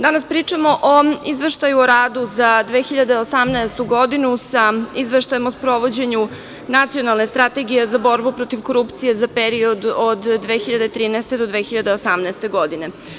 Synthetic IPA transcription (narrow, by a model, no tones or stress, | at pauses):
d̪anaspɾiːt͡ʂamo̞ʔoizʋe̞ʃt̪ajuoɾaːd̪uzad̪ʋeːxiʎad̪eosamnɛest̪uɡo̞d̪inusaizʋeʃt̪ajemospɾo̞ʋo̞d͡ʑe̞ɲu | nat̪sio̞nalˠne̞st̪ɾat̪e̞ɡijezabo̞ɾbupɾo̞t̪iʋko̞ɾupt̪sije̞zapeɾio̞d̪od̪ːʋe̞ːxiʎad̪et̪ɾiːnɛest̪e̞d̪o̞d̪ʋe̞ːxiʎad̪eosamnɛːst̪e̞ɡo̞d̪ine̞